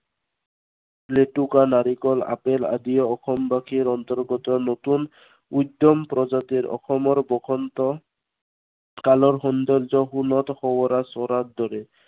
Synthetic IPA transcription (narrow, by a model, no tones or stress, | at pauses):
pleʈukanaɾikɔla̰pela̰d̪ijɔɔxɔmbakʰiɾɔnt̪ɔɾɡɔt̪ɔnot̪un | ujd̪ɔmpɾɔzat̪iɾɔ̰xɔmɔɹbɔkʰɔnt̪ɔ | kalɔɹxɔnd̪ɔɾzɔɦunɔt̪ɔxɔwɔɾasɔɾat̪̚d̪ɔɾɛ